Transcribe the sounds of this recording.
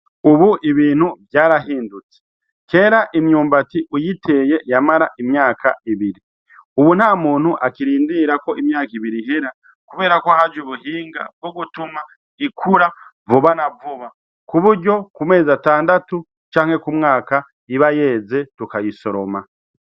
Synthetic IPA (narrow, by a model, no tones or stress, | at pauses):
uβuʔiβiːn̥huvjaːɾaɦiːndut͡se̥ | ke̞ːɾaʔimjuːmbatiʔujitʰe̞ːjejamaɾaʔimjaːkʰa̰ʔiβiɾi | uβun̥haːmuːn̥huʔakiɾiːndiɾako̞ʔimjaːkiβiɾiɦeɾa | kuβe̞ːɾakoahad͡ʒuβuhiːŋɡa̰b̚ɡoɡutuma | ikʰuɾa | vuβanavuβa | kuβuɾɟo̞kume̞ːzataːndatu | t͡ʃaːŋ̥he̞kumŋaːka | iβaje̞ːze̞tukajiso̞ɾo̞ma